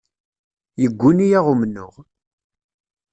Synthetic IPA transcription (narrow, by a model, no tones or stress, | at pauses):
jəɡʷːunijaʁumnːʊ̰ʁ